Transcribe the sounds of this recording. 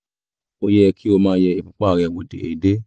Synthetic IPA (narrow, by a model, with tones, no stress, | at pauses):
o˧jɛ˧kʰi˦o˧mãː˦˧˦jɛ˧e˧fũ˧k͡pa˦˨ɾɛ˨˧˨wo˨dḛ˨ḛ˨i˨de˦